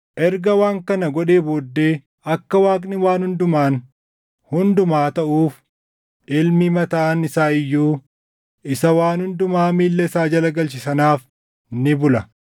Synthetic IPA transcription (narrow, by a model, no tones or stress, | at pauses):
ʔɛɾɡɐwaːŋkɐnɐɡɔᶑe̞ːboːd̪ːe̞ː | ɐkːɐwaːkʼnɪwaːnhʊnd̪ʊmaːn | hʊnd̪ʊmaːt̪ɐʔuːf | ɪlmɪmɐt̪aːnɪsaːɪjːuː | ɪsɐwaːnhʊnd̪ʊmaːmiːlːɛsaːd͡ʒɐlɐɡɐlt͡ʃ̬ɪsɐnaːf | nɪbʊlɐ